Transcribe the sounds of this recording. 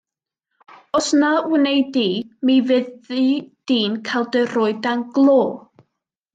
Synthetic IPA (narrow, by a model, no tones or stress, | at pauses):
ɔsnawɪnejdimivɛid̥iːnkʰalˠdəroːɨdanɡlˠoː